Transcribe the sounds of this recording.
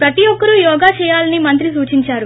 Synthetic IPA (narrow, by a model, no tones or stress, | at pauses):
pɾɐt̪ijɔkːɐɾujɔːɡaːt͡ʃɛːjaːlɐnimɐnt̪̬ɾisuːt͡ʃiɲt͡ʃaːɾu